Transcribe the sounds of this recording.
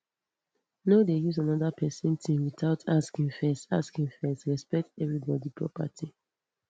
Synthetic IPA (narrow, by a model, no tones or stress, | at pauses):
nodejuzanɔdapʰɛsĩntʰĩwitaʊtʰaskĩŋfɛsta̰skĩŋfɛstɹɛspɛk̚tɛvɹibɔdipʰɹɔ̰pa̰tʰi